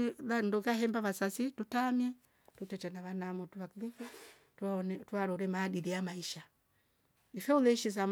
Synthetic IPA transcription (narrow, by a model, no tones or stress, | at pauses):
landukahɛmbaβasasitutamjɛ | tutɛtanaβanamɔtuβakulifɛ | tntwaɾɔɾɛmaːdiɾiamaiʃa | ifɛulɛʃis̬am